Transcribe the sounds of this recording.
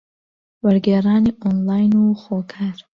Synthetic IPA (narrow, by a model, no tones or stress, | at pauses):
waɾɡeːɾɑːniʔɔnlaːjnuxoːkʰaɾ